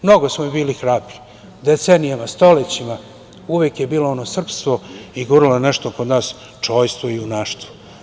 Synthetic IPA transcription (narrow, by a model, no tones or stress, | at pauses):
mno̞ɡo̞smobiːlixɾaːbɾi̥ | d̪et̪senijamast̪o̞let͡ɕima | uʋekje̞biːlo̞o̞no̞sr̩pst̪ʋo̞iɡuɾiloneʃt̪okod̪naːs | t͡ʃo̞ːjst̪ʋoiunaːʃt̪ʋo̥